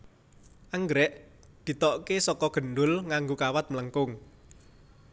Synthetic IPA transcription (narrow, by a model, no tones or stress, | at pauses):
ʔaŋɡɾɛʔ | d̪̥i̤t̪ɔʔkesɔkɔɡ̥ə̤nɖʊlŋaŋɡokawat̪̚mələŋkʊŋ